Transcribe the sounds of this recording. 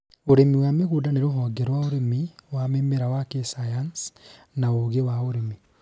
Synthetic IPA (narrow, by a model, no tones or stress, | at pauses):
oɾemiwameɣuːdaneɾoɦɔɡɛɾwaoɾemiwamemeɾawakesajans | naoɣewaoɾemi